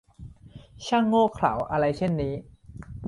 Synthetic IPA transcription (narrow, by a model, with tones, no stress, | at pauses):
t͡ɕʰa˥˩ŋːoː˥˩kʰla̰˨˩˦wʔa˧ɾa˧jt͡ɕʰe˥˩nːiː˦˥